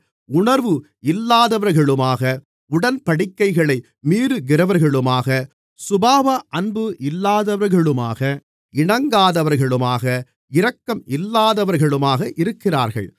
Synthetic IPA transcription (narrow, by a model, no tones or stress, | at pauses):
ʊɳɐɾʋɯ | ɪlːaːðɐʋɐɾɣɐɭɯmaːɣɐ | ʊɽɐnpɐɽɪkːɐɪɣɐɭɐɪ | miːɾɯɡɪɾɐʋɐɾɣɐɭɯmaːɣɐ | sʊbaːʋɐʔɐnbɯʔɪlːaːðɐʋɐɾɣɐɭɯma̰ːɣɐ | ʔɪɳɐŋɡaːðɐʋɐɾɣɐɭɯmaːɣɐ | ɪɾɐkːɐmɪlːaːðɐʋɐɾɣɐɭɯmaːɣɐʔɪɾɯkːɪra̰ːɾɣɐ̰ɭ